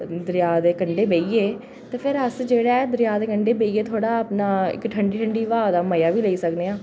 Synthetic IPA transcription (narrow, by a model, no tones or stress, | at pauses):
d̪əɾɪjaːd̪eːkəɳɖeːbeːiːeː | t̪eːpʰɪɾəsd͡ʒeːɽɛːd̪əɾjaːd̪eːkəɳɖeːbeːiːeːt̪ʰoːɽaːəpnaːɪ̰kʈʰəɳɖiːʈʰəɳɖiːʋaːd̪aːməjaːʋiːləiːsəkneːãː